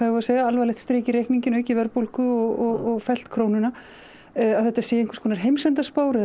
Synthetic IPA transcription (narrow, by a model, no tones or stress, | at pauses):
avɔɾasejɣaalvajlɛht̪st̪ɾeːjcɪɾejhkniɲcɪnœːɥcɪvɛɾpowl̥kʏɔɣɔɔɣfɛl̥t̪kʰɾoːwnʏna | aðθɛht̪asɛːjẽŋkv̥ɾskʰɔnaɾ̥ɦejmsɛnt̪aspoːwɾɪ